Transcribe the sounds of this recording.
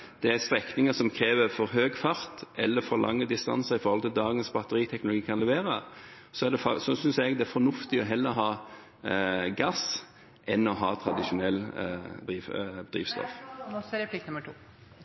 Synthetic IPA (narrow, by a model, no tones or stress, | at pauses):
d̪̥ɛæst̪ɾɛknɪŋəsɔmkʰɾeːʋəfɔɾɦøːɡfɑɾt̪ʔɛlːəfɔɾlʔɑ̰ŋːəd̪ɪst̪ɑ̰nsəʁɪfɔɾhɔlt̪ɪld̪ɑːɡənsbɑt̪ːəɾiːt̪ʰɛknʊlʊɡiːkʰɑnlɛʋeːɾə | sɔæd̪ɛfɔsɔsʏnsɛɡd̪ɛæfɔɾnʊft̪ɪɔɦɛlːəɦɑː | ɡɑs | ʔɛnɔɦɑ̰ːt̪ʰɾɑd̪ɪʂʊnɛlːd̪ɾiːʋd̪̥ʁḭːʋst̪ɔ̰fɾɛpʰlɪknʉmːəʈʰuː